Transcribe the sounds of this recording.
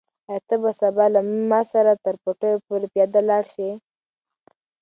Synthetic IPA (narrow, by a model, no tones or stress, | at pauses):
at̪əbasabɑlammɑsaɾat̪əɾpoʈəjopoɾepjɑd̪alɑɽʃi